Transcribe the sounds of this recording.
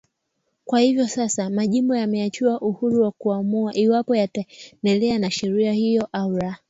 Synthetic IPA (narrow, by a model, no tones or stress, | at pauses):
kwahivjɔsasamaʄimbɔjamɛat͡ʃiaʔuhuɾuwakuamuaʔiwapɔjatandɛlɛanaʃɛɾiahijɔʔauɾa